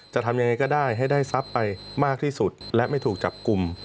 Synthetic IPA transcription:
t͡ɕa˨˩t̪ʰa˧mja˧ŋːa˧jkɔː˥˩daː˥˩jɦa˥˩jdaː˥˩jsa˦˥pːa˧jmaː˥˩k̚t̪ʰiː˥˩su˨˩t̪̚lɛ˦˥ʔma˥˩jt̪ʰuː˨˩k̚t͡ɕa˨˩p̚ku˧m

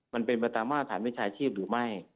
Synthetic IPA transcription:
ma˧npe˧npa˧t̪aː˧mːwa˥˩a˧t̪ʰaː˩˦nwi˦˥˩t͡ɕʰaː˧t͡ɕʰiː˥˩p̚ɾɯː˩˦ma˥˩j

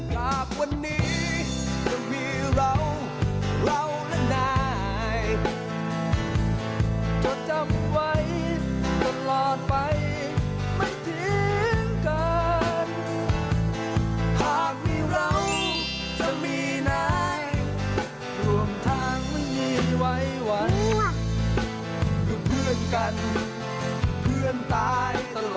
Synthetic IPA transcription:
t͡ɕaː˨˩k̚wa˧nːiː˦˥ | ja˧ŋpʰiː˧˥ɾa˧w | ɾa˧wlɛ˧˥˩naː˧ | j | t͡ɕo˨˩t̚t͡ɕa˧˩mwa˦˥jko˧˦˥n̚lɔː˨˩t̪̚pa˧j | ma˥˩jt̪ʰi˨˧˦ŋka˧n | pʰaː˧˩k̚miː˧˩ɾa˧˥w | t͡ɕa˧˩miː˧naː˧˩j | ɾu˧˩əmt̪ʰaː˧˥ŋma˥˩jmiː˧˩wa˦˥jwa˨˦˥n | ju˧˩pʰɯ˥˩ənka˧n | pʰɯ˥˩ənt̪aː˧jt̪a˧lː

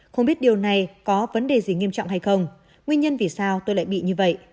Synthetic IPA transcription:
xə˧wŋ͡mɓi˦˥ət̚ɗi˨˩əwna˨˩jkɔ˨˦və˨˦nɗe˨˩zi˨˩ŋi˧əmt͡ɕɔ̰˧˨wŋ͡mɦa˧jxə˧wŋ͡m | ŋwi˧ənɲə˧nvi˨˩saː˧wt̪o˧jla̰ː˧˨jɓḭ˧˨ɲɨ˧və̰˧˨jʔ

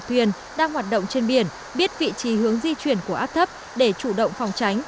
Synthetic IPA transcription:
t̪ʰwi˨˩ən | ɗaː˧ŋhwaː˨˩t̚ɗə̰˧˨wŋ͡mt͡ɕe˧nɓi˧˩ən | ɓi˦˥ət̚vḭ˧˨t͡ɕi˨˦ɦɨ˨˦əŋzi˧t͡ɕwi˧˩ənku˧˩əʔaː˦˥p̚t̪ʰə˦˥p̚ | ɗe˧˩t͡ɕu˧˩ɗə̰˧˨wŋ͡mfa˨˩wŋ͡mt͡ɕa˨˦jŋ̟

